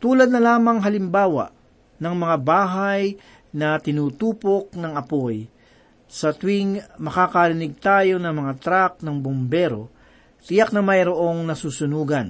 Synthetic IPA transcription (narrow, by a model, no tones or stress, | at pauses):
t̪uːlɐd̪̚nɐlaːmɐŋɦɐlɪmbaːwa̰ʔ | nɐŋmɐŋabaːɦaj | nɐt̪ɪnuːt̪uːpo̞k̚nɐŋɐpo̞j | sɐt̪wɪŋmɐkaːkɐɾɪnɪɡ̚t̪aːjo̞nɐŋmɐŋat̪ɾak̚nɐŋbombɛːɾo̰ | t̪ɪjak̚nɐmɐjɾoʔo̞ŋnɐsuːsʊnuːɡɐn